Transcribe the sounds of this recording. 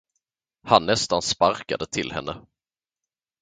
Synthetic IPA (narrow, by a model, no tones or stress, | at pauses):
hanːɛst̪anspaɾkad̪ət̪ʰɪlhɛ̰nːʔə